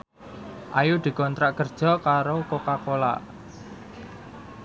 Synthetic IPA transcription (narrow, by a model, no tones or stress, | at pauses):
ʔajud̪̥i̤kɔnt̪ɾaʔkərd̥ʒ̥ɔ̤kaɾokokakola̰ʔ